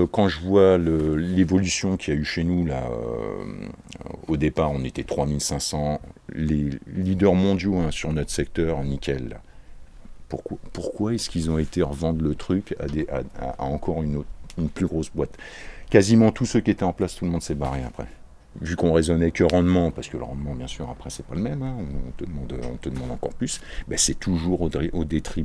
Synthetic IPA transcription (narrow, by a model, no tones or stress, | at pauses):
kɑ̃ʒəvwaləlevɔlysjɔ̃kʲiayʃenula̰ø̰ | od̪epaʁɔ̃net̪ɛt̪χwamilsɛ̃sɑ̃lelid̪œʁmɔ̃d̪joɛ̃syʁnɔt̪χsɛk̚t̪œʁnikʲɛlːa̰ | puʁkwapuʁkwaɛskilzɔ̃et̪eʁəvɑ̃d̪lət̪χykʲa̰d̪eʔa̰a̰a̰ɑ̃kɔʁynot̪ynplyɡʁosbwat̪kʲazimɑ̃t̪ʰusøkʲiet̪ɛɑ̃plast̪uləmɔ̃d̪sɛbaʁea̰pχɛ̰ | vykɔ̃ʁezɔnɛkʲəʁɑ̃d̪mɑ̃paʁsə̥kələʁɑ̃d̪mɑ̃bjɛ̃syʁapχɛsɛpaləmɛmɛ̃ɔ̃ːt̪əd̪əmɑ̃d̪øɔ̰̃t̪əd̪əmɑ̃d̪ɑ̃kɔ̰ʁplysbɛsɛt̪ʰuʒuʁod̪iʔod̪et̪χi